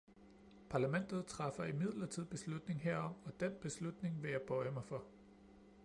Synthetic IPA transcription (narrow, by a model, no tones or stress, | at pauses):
pʰɑ̈ːlæmen̰d̥ð̩ˠt͡sʰʁɑ̈fɐimið̞̰ˠlɐt͡sʰið̞̰ˠb̥e̝slud̥ne̝ŋɦeɐ̰ɒ̽m̰ɒ̽d̥en̰b̥e̝slud̥ne̝ŋʋe̝jɑ̈ɪb̥ɒ̽ɪəmɑ̈ɪfɒ̽